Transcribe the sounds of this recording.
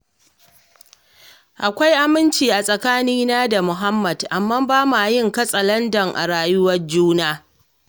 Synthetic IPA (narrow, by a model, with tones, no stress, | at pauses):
ʔa˨kʷa˦jʔa˦˨mɪ˦nt͡ʃiː˨ʔa˨sʼɐ˨kaː˦niː˦naː˦da˨mʊ˨ɦa˦mːɐ˨dʔa˨mːaː˦baː˦ma˨jɪ˦ŋkɐ˦sʼɐ˨lɐ˦ndɐ˨ŋʔa̰˨ɽaː˨jʊ˦wɐ˦rd͡ʒuː˦naː˦